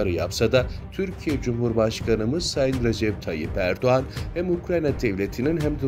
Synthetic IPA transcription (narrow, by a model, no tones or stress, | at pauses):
ɾɯja̰psad̪at̪ʰyɾcʰijɛd͡ʒumɦuɾbaʃkʰanɯmɯzsajinɾed͡ʒɛp̚t̪ʰajḭpæɾd̪oanhæmukɾajnad̪ɛvlʲet̪ʰininɦæmd̪i